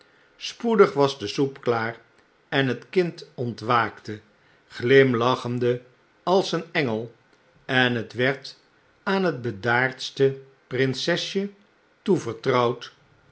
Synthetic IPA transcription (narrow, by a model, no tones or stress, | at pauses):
spudəχʋɑzdəsupklaːr | ɛnɦətkɪntɔntʋaːktə | χlɪmlɑχəndə | ɑlˠsənɛŋəlˠ | ɛnɦətʋɛɹt | aːnɦəd̚bədaːɹtstə | prɪnsɛsjə | tuvəɹtrʌwt